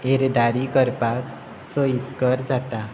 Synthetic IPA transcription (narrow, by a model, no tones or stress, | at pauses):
eɾd̪aɾikəɾpak | soiskəɾd͡zat̪a